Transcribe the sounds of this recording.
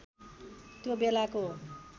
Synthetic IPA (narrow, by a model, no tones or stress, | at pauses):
t̪jobelako